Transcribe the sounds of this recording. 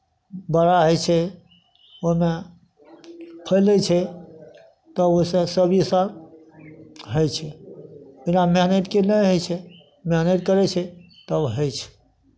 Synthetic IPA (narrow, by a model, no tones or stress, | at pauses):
bəɾaɦojt͡ʃʰɛ | ome | pʰəjlɛt͡ʃʰɛ | t̪əbosəsəbisaɾ | ɦəjt͡ʃʰɛ | inameɦneʈkenəjɦojt͡ʃʰɛ | meɦneʈkəɾɛt͡ʃʰɛ | t̪əbɦəjt͡ʃʰɛ̥